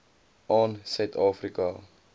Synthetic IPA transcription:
ɑːnsœɥt̪ɑːfrikɐ

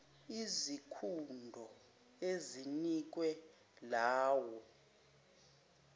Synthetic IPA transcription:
izikʰundʱɔ | ezinik̬wɛ | laːwɔ

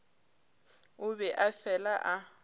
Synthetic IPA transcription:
ʊbɛʔafɛlaʔa

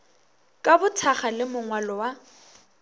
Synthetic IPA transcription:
kʼabʊtʰaχalɪmʊŋwalɔwa

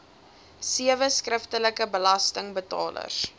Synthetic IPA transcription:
siəvəskrəftələkəbəlɐstəŋbətɑ̰ːlə̰s

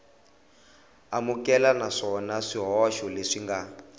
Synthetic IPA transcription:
amukɛlanaʂɔnaʂiɦɔʃɔleʂiŋɡa

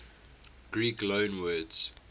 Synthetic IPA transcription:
ɡ̥ɹiːklõʊnwɜdz̥

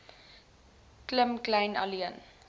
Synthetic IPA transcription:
kləmklajna̰liən

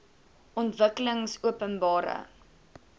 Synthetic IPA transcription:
ʔɔntvəkələŋsuəpənbɑːɾə̰

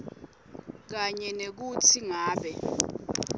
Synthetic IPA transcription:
k̬aɲɛnek̬utʰiŋaːɓɛ

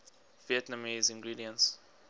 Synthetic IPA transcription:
viɛtnamizĩnɡɹidiə̃ns

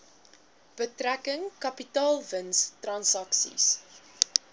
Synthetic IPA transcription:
b̥ətrækəŋkɐpitɑːlˠvənstrɐnsɐksḭs

